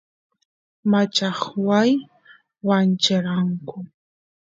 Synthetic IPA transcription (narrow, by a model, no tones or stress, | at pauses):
mat͡ʃɑχwaj | want͡ʃɪɾɑŋkʊ